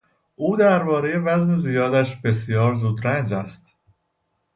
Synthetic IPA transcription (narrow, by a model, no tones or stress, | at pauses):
ʔuːd̪æɾbɒːɾe̞je̞væznezijɒːd̪æʃbe̞sjɒːɾzuːd̪ɾænd͡ʒæst̪